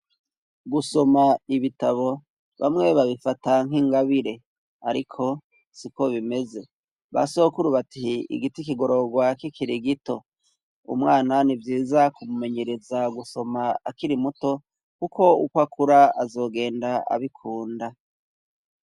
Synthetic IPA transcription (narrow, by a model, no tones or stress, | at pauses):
ɡuso̞maiβitaβo̞ | βa̰mŋe̞βaβifataŋ̥ɦiŋɡaβiɾe̞ | aɾikʰo̞ | siko̞βime̞ze̞ | βa̰so̞kuɾuβatiḭɡitikiɡo̞ɾo̞ɡwakikiɾiɡito̞̰ | ṵmŋaːnanivjiːzakumume̞ɲe̞ɾe̞zaɡuso̞maa̰kiɾimuto̞ | kuko̞ukwakʰuɾaazo̞ːɡe̞ːndaa̰βikʰuːnda